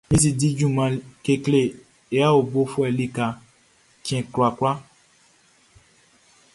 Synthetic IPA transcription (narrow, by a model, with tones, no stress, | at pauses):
mĩ˦s̬i˧di˦d͡ʒũ˦˨mã˧ke˧kle˨ | e˨˦a˦o˨bo˦fu˦ɛ˨li˦ka˧ | kĩ˦ɛ̃˧kɾu˨˧a˨kɾa˦